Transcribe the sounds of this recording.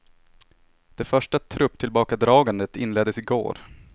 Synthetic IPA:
d̪̥ɛfœʂʈat̪ʰɾɵpːt̪ʰɪlbɑːkad̪ɾɑːɡand̪ət̪ɪnleːd̪ːəsɪɡo̰ːɾ

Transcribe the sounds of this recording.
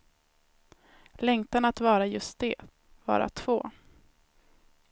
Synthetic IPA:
lɛŋt̪anat̪vɑːɾajɵst̪̚d̪ɛ | vɑ̰ːɾa̰t̪ʰv̥oː

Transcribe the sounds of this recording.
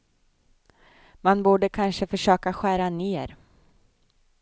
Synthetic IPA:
manbuːɖəkʰanʂəfœʂøːkaɧæːɾaneːɾ

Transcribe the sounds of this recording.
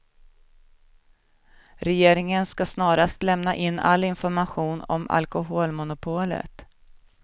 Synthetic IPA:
ɾɛjeːɾɪŋənskasnɑːɾast̪lɛmnaʔɪnːa̰lːɪnfɔɾmaɧuːnɔ̰ma̰lkʊɦoːlmʊnʊpʰoːlə̰t̪

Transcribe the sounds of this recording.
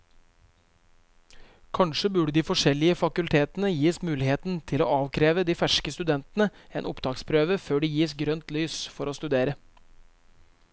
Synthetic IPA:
kʰɑnʂəbʉɖəd̪iːfɔʂɛlɪəfɑkʉlt̪ʰeːt̪nəjiːsmʉːlɪheːt̪nt̪ʰɪlo̰ːɑːʋkʰɾeːʋəd̪iːfæʂkəst̪ʉd̪ɛnt̪nəeːnʊpd̪ɑːkspʰɾøːʋəføːɖijiːsɡɾœnt̪lyːsfɔɾoːst̪ʉd̪eːɾə

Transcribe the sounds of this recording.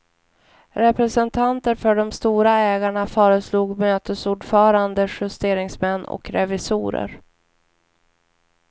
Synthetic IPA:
ɾɛpɾɛsɛnt̪ʰant̪əɾfœɖɔmst̪uːɾaɛːɡaɳafœːɾəsluːɡmøːt̪əsuːɖfœːɾand̪əɧɪst̪eːɾɪŋsmɛnːɔ̰kɾɛvɪsṵːɾə̰ɾ

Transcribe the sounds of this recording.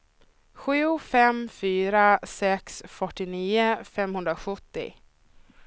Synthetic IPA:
ɧʉ̟ːfɛmfyːɾasɛksfœʈːɪniːəfɛmhɵnd̪ɾaɧɵt̪ːɪ̰

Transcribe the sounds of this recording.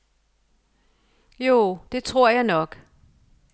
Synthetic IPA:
jo̝ːd̥e̝t͡sʰʁo̝ɐ̰jɑ̈ɪnɒ̽ɡ̥

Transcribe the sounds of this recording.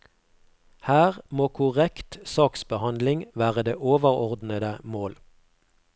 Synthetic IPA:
hæːʁmoːkʰʊʁɛkt̪sɑːksbəhɑnd̪lɪŋʋæːʁəd̪eːʔoːʋəʁɔʁd̪nəd̪əmoːl

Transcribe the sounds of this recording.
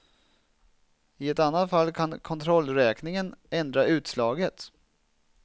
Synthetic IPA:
ɪɛt̪anːat̪falːkʰankʰɔnt̪ʰɾɔlːɾɛːknɪŋənɛnd̪ɾaʉ̟ːt̪slɑːɡət̪

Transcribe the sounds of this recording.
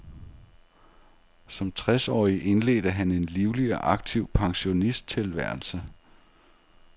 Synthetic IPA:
sɒ̽mt͡sʰʁasɒ̰ːiʔe̝nle̝̰ːd̥əɦæne̝nliʊliɒʔɑ̈ɡ̥̚t͡sʰiʊ̰pʰɑ̈ŋɕo̝nisd̥̚t͡sʰe̝lʋæɐ̰l̩sə

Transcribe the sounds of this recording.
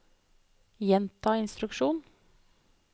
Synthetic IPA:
jɛnt̪ʰɑːɪnst̪ɾʉkʃuːn

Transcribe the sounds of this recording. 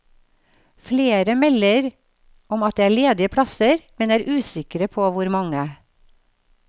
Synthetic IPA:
fleːɾəmɛləɾ | ɔmɑt̪̚d̪eːæːɭeːd̪ɪəpʰɽɑsəɾmɛnæːɾʔʉːsɪkəɾəpʰoːʋʊɾmɑŋə

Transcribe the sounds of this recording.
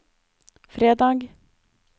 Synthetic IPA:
fɾeːd̪ɑːɡ

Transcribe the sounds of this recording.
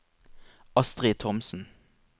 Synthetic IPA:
ɑst̪ʁeːt̪ʰɔmsn̩

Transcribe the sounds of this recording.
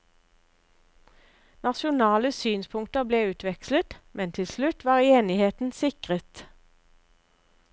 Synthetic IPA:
nɑʃʊnɑːləsyːnspʰʊŋkt̪əʁbleːʉːt̪ʰʋɛkslət̪mʔɛnt̪ʰɪlslʉt̪ʋɑːʁeːnɪheːt̪n̩sɪkʁət̪

